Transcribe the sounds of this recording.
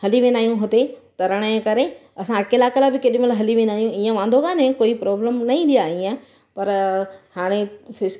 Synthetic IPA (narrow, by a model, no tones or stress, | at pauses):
hɐliʋẽːnaːijũɦʊt̪et̪ɐɾɐɽ̃ə̃kɐɾe | ɐsãɐkelaːkelabɪkeɗɪmelɦɐliʋẽːnaːijũiːə̃ʋãːnd̪ʱokaːnẽkoːipɾɔːbləmnɐĩːd̪ijaĩːẽ | pɐɾhaːɽ̃efɪs